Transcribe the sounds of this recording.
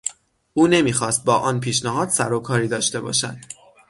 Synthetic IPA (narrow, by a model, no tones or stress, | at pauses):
ʔuːne̞miːxɒːst̪̚bɒːʔɒːnpʰiːʃnæɦɒːd̪sæɾokʰɒːɾiːd̪ɒːʃt̪e̞bɒ̰ːʃæ̰d̪̥̚